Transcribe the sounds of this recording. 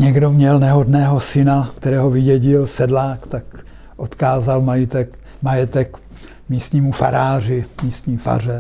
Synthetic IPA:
ɲɛɡdo̞mɲɛlnɛɦodnɛːɦo̞sɪnakt̪ɛɾɛːɦo̞vɪɟɛɟɪlsɛdlaːkt̪ak | ʔot̪kaːzalmajɪt̪ɛk | majɛt̪ɛk | miːst̪ɲiːmufa̰ɾaːrɪmiːst̪ɲiːfa̰r̝ɛ

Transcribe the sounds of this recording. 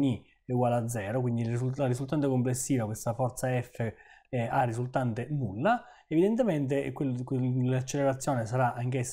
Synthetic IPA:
ni | uɡwaːlad̪zːɛːɾokwind̪ilsularizult̪ant̪̬ekomplesːiːvakwest̪afɔrt̪saɛfːearːisult̪ant̪enulːa | evid̪ent̪ement̪̬ekwekeat͡ʃːeleɾat̪sːjɔːnesaɾaʔaŋk̟esː

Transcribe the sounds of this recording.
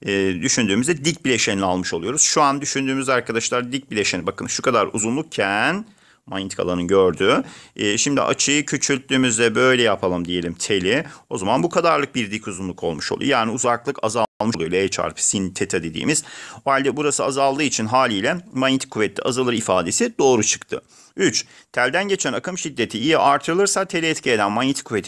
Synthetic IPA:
d̪yʃynd̪yːmyzd̪ɛd̪ic̚bilʲe̞ʃenʲalˠmɯʃo̞lˠujo̞ɾuz̥ʃuand̪yʃynd̪yːmyzd̪ɛaɾkʰad̪aʃlˠaɾd̪ic̚bilʲe̞ʃenibakʰɯnʃukʰad̪aɾṵzunlˠuk̚cʰæn | majit̪ʰi̥kalˠanɯnɟøɾd̪yːʃimd̪ḭʔa̰t͡ʃʰɯjɯcʰøt͡ʃʰylʲt̪̚lʲyːmyzd̪ɛbø̞jlʲɛjapʰalˠɯmd̪ije̞lʲimt̪ʰe̞lʲio̞zamanbukʰad̪aɾlˠɯk̚biɾd̪ikuzunlˠukʰo̞̰lˠmuʃo̞lˠṵj̰jaːniuzaklˠɯkʰa̰zalˠmɯʃlˠujlʲˠaɛt͡ʃʰa̰ɾpʰɯ̥sint̪ʰet̪ʰad̪e̞d̪ḭːmiz̥oalʲd̪ɛbuɾasɯazalˠd̪ɯːit͡ʃʰinɦaːlʲiːlʲɛmanit̪ʰi̥kʰːuvɛt̪lʲːiʔazɯlˠɯɾifaːd̪e̞sid̪̥o̞ːɾut͡ʃʰɯ̥kt̪ʰɯ̰ | yt͡ʃt̪ʰælʲd̪ænɟe̞t͡ʃʰænakʰɯmʃid̪ːe̞t̪ʰiijɛʔaɾt̪ʰɯɾɯlˠɯɾsat̪ʰelʲiɛt̪cʰie̞d̪ænmanɲit̪ʰi̥kʰːuvet̪ʰi

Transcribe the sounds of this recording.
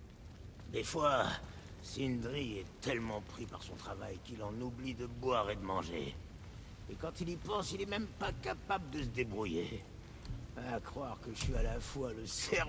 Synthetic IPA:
d̪efwa | sind̪ʁiɛt̪ɛlmɑ̃pχipa̰ʁsɔ̃t̪χava̰jkilɑ̃nublid̪əbwaʁed̪əmɑ̃ʒḛ | ekɑ̃t̪ilipɑ̃silɛmɛmpakapabləd̪əsəd̪ebʁuje | aːkχwaʁkəəsɥialafwaləsɛ

